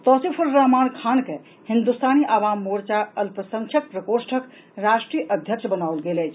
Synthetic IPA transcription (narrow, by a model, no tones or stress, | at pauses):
t̪ɔsipʰuɾːamankʰanke | hind̪ust̪ʰaniʔaβamːoɾt͡ʃaəlpɾəsəŋt͡ʃʰək̚pɾəkoɾsʈʰək | ɾasʈɾijəʔəd̪ʱjək̚t͡ʃʰbənawlɡelɛjt͡ʃʰ